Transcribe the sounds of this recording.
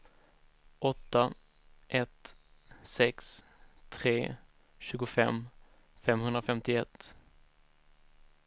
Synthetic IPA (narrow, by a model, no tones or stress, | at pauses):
ʔɔt̪ːa | ʔɛt̪sɛks | t̪ʰɾeː | ɕʉ̟ːɡʊfɛ̰m | fɛmɦɵnd̪ɾafɛmt̪ɪɛt̪ː